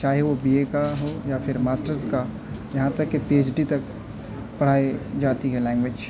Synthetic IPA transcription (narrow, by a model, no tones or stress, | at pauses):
t͡ʃaːɦeʋobiekaɦojafʰɪɾmaːsʈəɾska | jɐɦãt̪ɐkːepieːt͡ʃɖit̪ɐk | pɐɽ̤aːed͡ʒaːt̪iɦɛlɛ̃ːŋɡʋeːd͡ʒ